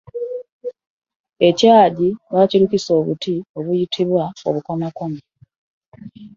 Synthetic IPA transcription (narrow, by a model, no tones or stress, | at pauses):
e̞caːɟiβaciɾukiso̞ːβṵtio̞βujitʰiβwao̞̰βuko̞mako̞mi